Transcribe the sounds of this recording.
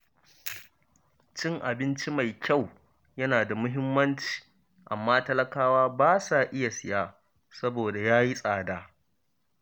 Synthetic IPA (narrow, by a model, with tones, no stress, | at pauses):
t͡ʃɪ˦ŋʔa˨bɪ˦nt͡ʃi˦ma˨jkʲa˦˨w | jɐ˦naː˨da˨mʊ˦ɦɪ˦mːɐ˦nt͡ʃi̥i̥ː˨ | ʔa̰˨mːaː˦tɐ˦lɐ˦kaː˦waː˦baː˦saː˨ʔɪ˦ja˨sɪ˨jaː˦ | sɐ˦boː˨da˨jaː˦ji˦sʼaː˨daː˦